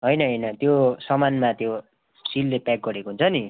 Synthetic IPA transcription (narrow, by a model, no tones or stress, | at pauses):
ɦʌjnʌɦʌjnʌt̪josʌmanmat̪jo | silːepak̚ɡʌɾekoɦunt͡sʰʌni